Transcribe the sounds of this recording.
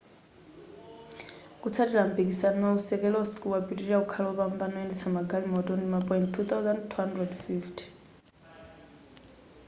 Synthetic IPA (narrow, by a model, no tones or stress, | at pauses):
kut͡sʰatilampik̬ʼisanausɛkɛlɔskuwapitiiɺaukʰalɔβambanɔɛndɛt͡sʰamaɡʱalimɔtɔndimapʼɔinttʰːut̪awzandtʰuɦandrɛdfiftʰi̥